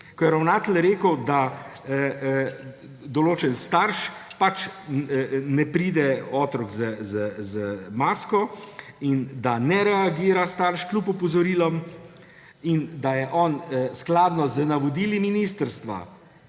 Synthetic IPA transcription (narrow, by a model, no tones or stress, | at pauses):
kɔjɛɾawnaːt̪ɛlɾeːkəwd̪a | d̪ɔloːt͡ʃɛnst̪aɾʃpat͡ʃ | nɛpɾiːd̪ɛɔːt̪ɾɔkzəzəzəmaːskɔ | ind̪anɛɾɛaɡiːɾast̪aɾʃklʲupɔpɔzɔɾiːlɔm | ind̪ajɛʔɔnsklaːd̪nɔzənaʋɔd̪iːliminist̪əɾst̪ʋa̰